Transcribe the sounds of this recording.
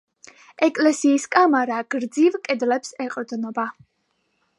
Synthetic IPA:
ɛkʼlɛsiːskʼamaɾaɡ̥ɾd̪zivkʼɛd̪lɛpsɛqʼɾd̪nɔba

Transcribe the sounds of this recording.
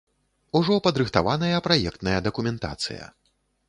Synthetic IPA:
uʐɔpɐd̪ɾɨxt̪avanɐjɐpɾajɛkt̪nɐjɐd̪ɐkumʲɛnt̪a̰t̪sɨ̰jɐ̰

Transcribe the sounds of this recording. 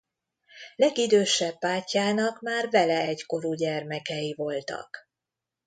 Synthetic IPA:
lɛɡid̪øːʃɛpːaːcːaːnɒkmaːrvɛlɛɛɟko̞ɾuɟɛrmɛkɛjivo̞lt̪ɒ̰k

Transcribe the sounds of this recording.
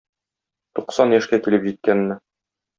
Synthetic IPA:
t̪uqsɑnjæʃkækilɘpʑit̪̚kænːɘ

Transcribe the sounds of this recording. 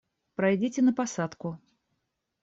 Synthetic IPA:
pɾɐjdʲitʲɪnəpasat̪kʊ

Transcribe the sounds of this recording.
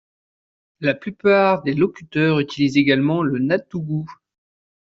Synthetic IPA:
laplypaʁd̪elɔkʲyt̪œʁyt̪ilizeɡalmɑ̃lənat̪uɡu

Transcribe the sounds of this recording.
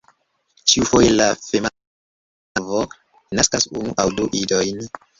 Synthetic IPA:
t͡ʃiufojelafem | vo | naskasunuʔawduʔidojn

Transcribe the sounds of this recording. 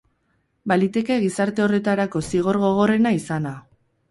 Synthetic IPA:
balit̪e̞ke̞ɣisaɾt̪e̞o̞re̞t̪aɾako̞siɣ̞o̞ɾɣo̞ɣ̞o̞re̞naisana

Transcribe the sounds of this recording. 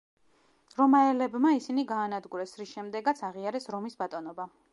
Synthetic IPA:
ɾɔmaɛlɛbmaisiniɡaːnad̪ɡuɾɛsɾisʃɛmd̪ɛɡat̪sʰaʁiaɾɛsɾɔmisbat̪ʼɔnɔba

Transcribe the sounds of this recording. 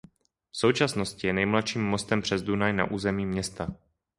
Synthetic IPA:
fsowt͡ʃasno̞scɪjɛnɛjmlat̪ʃiːmːo̞st̪ɛmpr̝̥ɛzdunajna̰ʔuːzɛmiːmɲɛst̪a

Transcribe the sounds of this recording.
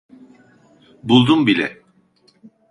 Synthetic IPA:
bulˠd̪umbilʲɛ̰

